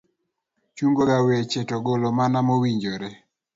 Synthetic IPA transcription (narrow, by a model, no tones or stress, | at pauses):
t͡ʃuŋɡoɡawet͡ʃetɔɡolɔmanamowiɲd͡ʒoɾɛ